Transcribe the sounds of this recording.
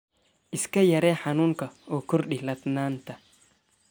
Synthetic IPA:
ʔɪskɐjɐɾeːħanuːŋkɐɔkːʊɾɗɪlɐt̪naːnt̪ɐ̥

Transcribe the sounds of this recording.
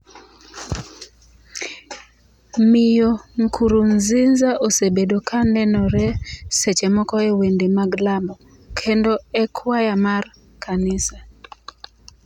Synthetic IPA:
mɪjoŋkʰuɾunzinzaʔosebedokʰanɛnɔɾɛset͡ʃɛmɔkɔɛwendemaɡlambɔ | kʰendɔɛkʰwajamar | kʰanɪsa

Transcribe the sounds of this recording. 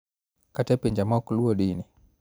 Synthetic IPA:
katɛpɛɲd͡ʒamakuluɔɗini

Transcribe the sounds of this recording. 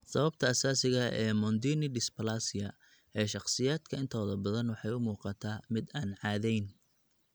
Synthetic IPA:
sɐβɐbt̪ʰɐːsaːsɪɣɐʔɛːmɔnd̪iːnɪɖɪspʰɐlaːsɪjɐ | ɛːʃɑqsɪjaːd̪kʰɐɪnt̪ʰɔːðɐbɐðɐnwɑħɑjʊmuːqɑt̪ʰaːmɪd̪aːnʕɑːðɛjn

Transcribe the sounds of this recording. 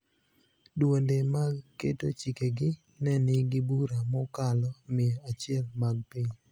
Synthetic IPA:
dwondemaɡkḛtot͡ʃikeɡɪ | nɛnɪɡɪbuɾamɔkalɔmɪat͡ʃɪɛlmaɡ̚pɪɲ

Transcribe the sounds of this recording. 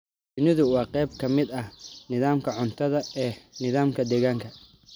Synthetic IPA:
d̪ʊnɪðʊwɑːqɛjb̚kʰɐmɪd̪ɐhnɪðaːmkʰɐʕʊnt̪ʰɐðɐɛːnɪðaːmkʰɐd̪ɛːɣaːŋkʰɐ

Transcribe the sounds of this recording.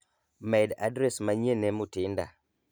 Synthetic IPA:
mɛda̰dɾɛsmaɲenɛmutɪnda̰

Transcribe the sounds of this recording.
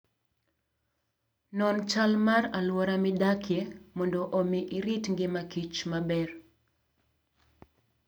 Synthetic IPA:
nɔnt͡ʃalmaɾalwɔɾamɪdakʰjemɔndɔʔomiʔiɾitŋɡɪmakit͡ʃmabɛr

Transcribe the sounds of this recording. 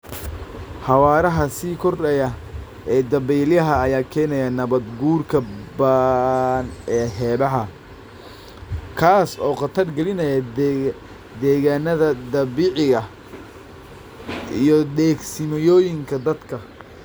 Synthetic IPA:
ħɑwɑːɾɐɦɐsiːkʰɔrɐjɐ | ʔɛːd̪ɐβɛːljɐɦɐːjaːkʰɛːnɛjɐnɐβɐd̪ɡuːrkʰɐbaːnɛːɦɛːβɐɦɐ | kʰaːsɔːqɑt̪ʰɐrɡɛlɪnɐjɐ | d̪ɛːɣaːnɐðɐd̪ɐβiːʕɪɣɐ | ijɔɗɛːɡsɪmɐjɔːjɪŋkʰɐd̪ɐd̪kʰɐ

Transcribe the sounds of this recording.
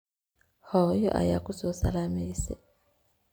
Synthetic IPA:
hɔjɔ̰ʔa̰jakusosa̰lamisɛ̰

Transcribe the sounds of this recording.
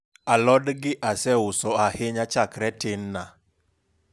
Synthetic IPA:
alɔdɡɪʔasɛʊsɔahɪɲat͡ʃakɾɛtɪnːa

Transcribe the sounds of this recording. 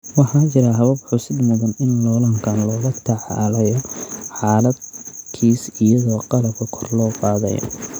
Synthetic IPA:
wɑħɑːt͡ʃɪɾɐɦɐβɐbħʊsɪd̪mɐðɐnɪnlɔːlɐŋkʰanlɔːɣɐt̪ʰɐʕlɛjɔħɑːlɐd̪kʰiːsɪjɐðɔːqɑlɐb̚kʰɐkʰɔrlɔːqɑːðɛ̰jɔ̰

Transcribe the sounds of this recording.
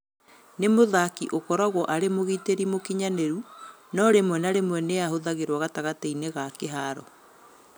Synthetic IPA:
nemoðakiʔokɔɾɔɣwɔʔaɾemoɣiteɾimokiɲaneɾu | nɔɾemwɛnaɾemwɛneahoðaɣeɾwaɣataɣateineɣakeɦaɾɔ̰

